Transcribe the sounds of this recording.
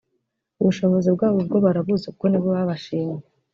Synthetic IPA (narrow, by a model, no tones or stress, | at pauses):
uβuʃo̞βo̞zibɡaːβobɡo̞βaɾaβuzekoniβoβaβaʃiːɲe